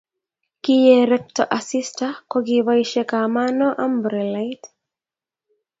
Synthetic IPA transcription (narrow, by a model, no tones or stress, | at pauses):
kijɛɾɛk̚tɔ̰ʔasistakɔkiβaiʃɛkamanɔʔambɾɛlajt